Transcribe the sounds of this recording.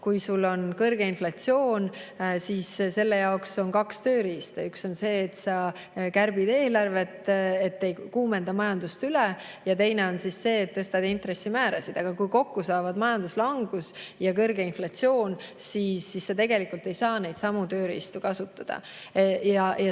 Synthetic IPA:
kujsulːo̞nkɤrɡ̥e̞inflɑt̪sio̞ːnsisse̞lːejɑokso̞nkɑkst̪ø̞ːɾist̪uykso̞nse̞ːt̪sɑ | kærb̥id̪̥e̞ːlɑrve̞t̪ˑːet̪ːe̞jkuːme̞nd̪̥ɑmɑjɑnd̪ust̪yle | jɑt̪e̞jne̞o̞nsisːe̞ːt̪ːɤst̪ɑd̪int̪ɾe̞sːimæːɾɑsid̪̥ɑɡ̥ɑkujko̞kːusɑevɑd̪mɑjɑnd̪̥uslɑŋɡ̥usjɑkɤrɡ̥e̞inflɑt̪sio̞ːnsiːsːisːɑt̪e̞ɡe̞likˑult̪ːe̞jsɑːne̞jd̪sɑmut̪ø̞ːɾist̪ukɑsut̪ːɑd̪̥ɑ̰ | jɑjɑ

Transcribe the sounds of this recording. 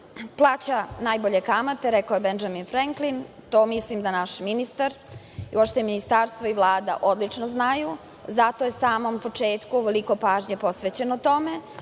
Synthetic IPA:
plˠaːt͡ɕanaːjboʎekamat̪eɾekaojebend͡ʒaminfɾeŋklint̪oːmislimd̪anaʃminist̪aɾ | ḭuopʃt̪eminist̪aɾst̪vʋoiʋlˠaːd̪a̰ʔo̞d̪lit͡ʂnoznaju | zat̪o̞jesaːmo̞mpo̞t͡ʂeːt̪kuuʋeliko̞paːʒɲepo̞sʋet͡ɕe̞not̪o̞me̞

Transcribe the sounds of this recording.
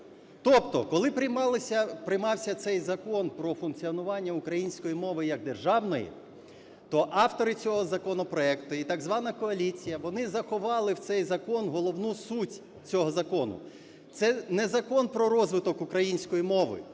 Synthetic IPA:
t̪ɔpt̪ɔ̰kɔlˠɪpɾɪjmɑlˠɪsʲɐpɾɪjmɑwsʲɐt̪sɛjzɐkɔnpɾɔfʊnkt͡sʲiɔnʊʋɑnʲːɐʊkɾɐjinʲsʲkɔjimɔʋɪjɐɡ̚d̪erʒɑwnɔjḭ | t̪ɔʔɑwt̪ɔɾɪt͡sʲɔɦɔzɐkɔnɔpɾɔɛkt̪ʊit̪ɐɡzʋɑnɐkɔɐlʲit͡sʲijɐʋɔnɪzɐxɔʋɑlˠɪwt̪sɛjzɐkɔnɦɔlˠɔwnusutʲ | t͡sʲɔɦɔzɐkɔnʊ̰ | t̪sɛnɛzɐkɔnpɾɔɾɔzʋɪt̪ɔkʊkɾɐjinʲsʲkɔjimɔʋɪ̰

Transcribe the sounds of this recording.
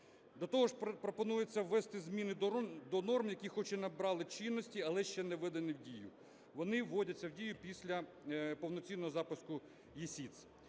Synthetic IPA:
d̪ɔt̪ɔɦɔʃpɾɔpɔnujet͡sʲːɐwʋɛst̪ɪzmʲinɪd̪ɔnɔrmjɐkʲixɔt͡ʃɛnɐbɾɑlˠɪt͡ʃinːɔsʲtʲiɐlˠɛʃt͡ʃɛnɛʋɪd̪ɐnɪwdʲijʊ̰ | ʋɔnɪwːɔdʲɐt͡sʲːɐwdʲijʊpʲisʲlʲɐ | pɔwnɔt͡sʲinːɔɦɔzɑpʊskʊ | jisʲit̪sʲ

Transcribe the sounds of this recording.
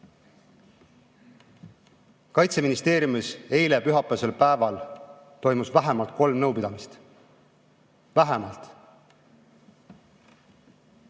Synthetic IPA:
kɑjt̪se̞minist̪e̞ːɾjumise̞jlepyɦɑpːˑe̞se̞lpæevɑl | t̪o̞jmusvæɦemɑlt̪̚ko̞lmnɤwpid̪̥ɑmist̪ | væɦemɑlt̪ˑ

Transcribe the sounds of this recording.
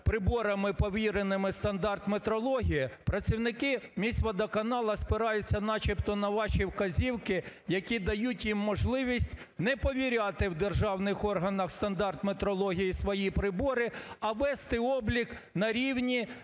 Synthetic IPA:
pɾɪbɔɾɐmɪpɔʋʲiɾenɪmɪst̪ɐnd̪ɑrt̪met̪ɾɔlˠɔɦʲijipɾɐt͡sʲiwnɪkɪmʲisʲʋɐd̪ɐkɐnɑlˠɐspɪɾɑjʊt͡sʲːɐnɑt͡ʃipt̪ɔnɐʋɑʃiwkɐzʲiwkɪjɐkʲid̪ɐjutʲjimːɔʒlˠɪʋʲisʲtʲ | nɛpɔʋʲiɾʲɑt̪ɪwd̪erʒɑwnɪxɔrɦɐnɐxst̪ɐnd̪ɑrt̪met̪ɾɔlˠɔɦʲijisʋɔjipɾɪbɔɾɪɐʋɛst̪ɪɔblʲik | nɐɾʲiwnʲi

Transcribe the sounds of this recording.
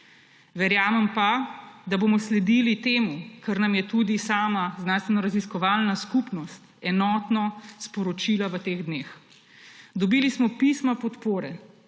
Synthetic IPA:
ʋɛɾjaːmɛmpad̪aboːmɔslɛd̪ilit̪eːmukaɾnamjɛt̪uːd̪isaːmazd̪nanst̪ʋɛnɔɾaziskɔʋaːlnaskupnɔst̪ɛnɔːt̪nɔspɔɾɔt͡ʃiːlaʋət̪eːɣd̪neːx | d̪ɔbiːlismɔpismapɔt̪poːɾɛ

